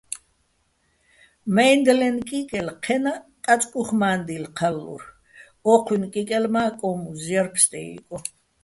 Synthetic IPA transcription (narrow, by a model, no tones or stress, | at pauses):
mɛjnd̪lɛnkʼikʼɛlqʰɛnakʼat͡sʼkʼuχmaːnd̪ilqʰalːṵɾ | ɔqʰwinkʼikʼɛlmaːkʼɔmuzjaɾpʰst̪ʼɛ̰ḭkʼɔ